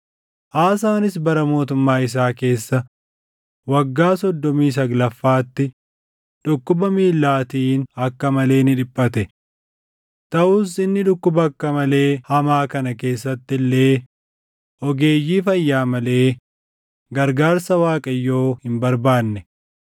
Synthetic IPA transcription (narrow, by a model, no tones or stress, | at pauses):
ʔaːsaːnɪsbɐɾɐmo̞ːt̪̬ʊmːaːɪs̬aːke̞ːsːɐ | wɐɡːaːsɔd̪ːɔmiːs̬ɐɡlɐfːaːt̪ːɪ | ᶑʊkːʊbɐmiːlːaːt̪iːnɐkːɐmɐle̞ːnɪᶑɪpʼːɐt̪ɛ | t̪ɐʔuːs̬ɪnːɪᶑʊkːʊbɐɐkːɐmɐle̞ːhɐmaːkɐnɐke̞ːsːɐt̪ːɪlːe̞ː | ʔɔɡe̞ːjːiːfɐjːaːmɐle̞ː | ɡɐɾɡaːɾsɐwaːkʼɐjːo̞ːhɪmbɐɾbaːnːɛ